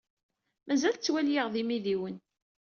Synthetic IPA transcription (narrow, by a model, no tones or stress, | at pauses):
mæzælt͡sːwæljiʁðimiðiwən